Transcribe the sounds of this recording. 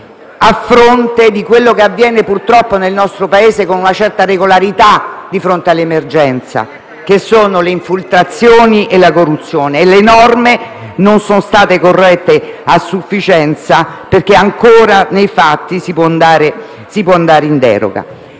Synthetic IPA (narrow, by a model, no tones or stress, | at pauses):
afːɾont̪ed̪ikwelːokeavːjɛːnepurt̪ɾɔpːonelnɔst̪ɾopaeːzekonunat͡ʃɛrt̪areɡolaɾit̪ad̪ifɾont̪ealːemerd͡ʒɛnt̪sa̰ | k̟esːoːnoleiɱfilt̪ɾat̪sːjoːniʔelakorːut̪sːjoːneːlenɔrme | nonsonst̪aːt̪ekorːɛt̪ːeasːufːit͡ʃɛnt̪saperk̟eaŋkoːɾanejfat̪ːisipwɔnd̪aːɾe | sipwɔand̪aːɾeind̪ɛ̰ːɾo̰ɡa̰